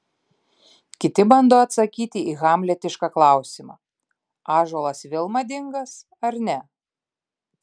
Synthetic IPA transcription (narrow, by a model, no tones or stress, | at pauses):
kʲɪt̪ʲɪbɐnd̪oːɐt̪sɐkʲiːt̪ʲɪʔiːɣɑːˑmʲlʲɛt̪ʲɪʃkɑklˠɑˑʊsʲɪmɑ̰ː | ɑːʒoːlˠɐsʋʲɪlˠmɐd̪ʲɪŋɡɐs | ɐɾnʲɛ